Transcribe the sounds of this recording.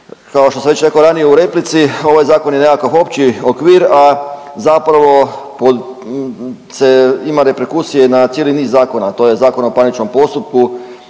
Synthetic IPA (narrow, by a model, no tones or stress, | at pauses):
kaoʃt̪osaʋe̞t͡ɕɾe̞koɾanijeuɾe̞plit̪sio̞ʋajzaːko̞njenekakoʋo̞pt͡ʃiokʋiːɾa | zapɾaʋo̞po | seimaɾe̞peɾkusijenat̪jeːliniːzːaːko̞nat̪oːje̞zaːko̞naopanit͡ʃno̞mpo̞st̪up̚ku